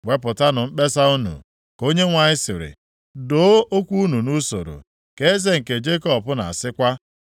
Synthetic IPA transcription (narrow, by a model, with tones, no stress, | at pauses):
wʷe˦pʊ˨ta˦nʊ˨m̩˦k͡pe˦sa˦u˦nṵ˨ | ko˦ɲe˦ŋʷa˨ɲɪ˦sɪ˨ɾɪ̰˨ | do˨˦o˦kʷu˦u˦nu˨nu˦so̰˨ɾo̰˨ | ke˦e˦ze˦ŋ̩˨ke˨d͡ʒe˦kɔ˦pʊ˦na̰˨a˨sɪ˦kʷa˦